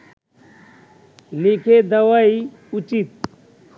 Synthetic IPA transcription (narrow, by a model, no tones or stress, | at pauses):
likʰed̪ɐwai | ut͡ʃit̪̚